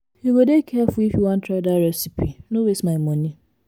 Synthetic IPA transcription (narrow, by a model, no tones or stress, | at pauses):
hiwedekʰɛfʊifjuwãntʰɾadaɾɛsipinowesmaɪmɔni